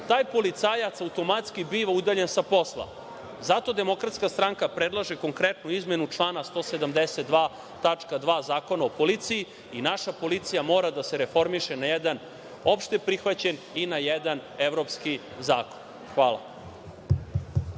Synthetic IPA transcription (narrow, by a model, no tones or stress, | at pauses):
t̪aːjpo̞lit̪sajat̪saut̪o̞mat̪skibiːʋaud̪aʎensapo̞slˠa̰ | zat̪o̞d̪e̞mo̞kɾat̪skast̪ɾaŋkapɾed̪lˠaʒeko̞ŋkɾet̪nuizmenut͡ʂlˠaːnast̪o̞sed̪amd̪eset̪̚d̪ʋaː | t̪at͡ʂkad̪ʋaːzaːko̞naopo̞lit̪siji | inaʃapo̞lit̪sijamo̞ːɾad̪ase̞ɾefo̞ɾmiʃenajɛd̪an | o̞pʃt̪e̞pɾixʋat͡ɕen | inajed̪ane̞ʋɾo̞pski | zaːko̞̥n | xʋaːla̰